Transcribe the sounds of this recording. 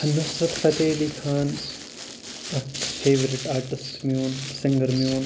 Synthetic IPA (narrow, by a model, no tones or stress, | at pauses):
hɐnɐsʋɐt̪pɐt̪eːlikʰaːn | ɐfʰeːʋɐɾɪʈaːɾʈɪsʈmjuːnsɪ̃ŋɡɐɾmjuːn